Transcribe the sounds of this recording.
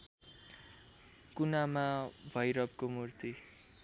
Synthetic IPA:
kunamabʱʌjɾʌb̚komurt̪i

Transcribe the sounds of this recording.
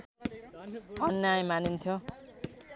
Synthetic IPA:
bʱʌnːeãj̃ĩmanint̪ʰjo

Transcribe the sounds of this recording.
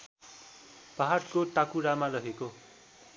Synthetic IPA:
paɦaɽkoʈakuɾamarʌɦeko

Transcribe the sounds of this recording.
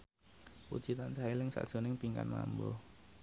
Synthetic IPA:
wṵd̥ʒ̥i̤t̪ansailɪŋsa̰d̥ʒ̥o̤nɪŋpiŋka̰nma̰mbɔ̰

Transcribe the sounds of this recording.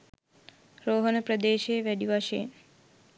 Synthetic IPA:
ɾoːɦənpɾəd̪eːʃeːʋeɖjuʋaʃḛːn

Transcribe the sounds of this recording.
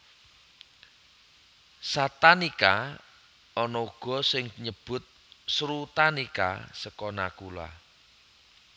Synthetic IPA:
sat̪anika | ɔnɔuɡ̥ɔ̤sɪŋɲəb̥ʊ̤t̪̚ | sɾut̪anika̰səkɔna̰kula̰

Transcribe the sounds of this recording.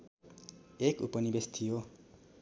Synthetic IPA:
ekupʌnibest̪ʰijo

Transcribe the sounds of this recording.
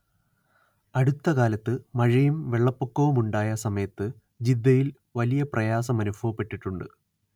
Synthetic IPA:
ɐɽut̪ːɐkaːlɐt̪ːɨmɐɻɐjumʋeɭːɐpːukːɐʋumuɳɖaːjɐsɐmɐjɐt̪ːɨ | d͡ʑid̪ːɐjil | ʋɐlijɐprɐjaːsɐmɐnubʱɐʋɐpːe̞ʈːiʈːuɳɖɨ

